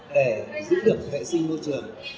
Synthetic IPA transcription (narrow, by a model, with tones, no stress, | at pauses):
ɗe˧˩zɨ̰˧˥ɗɨ˨˩ək̚vɛ̰˧˨sï˧ŋmo˧jt͡ɕɨ˨˩əŋ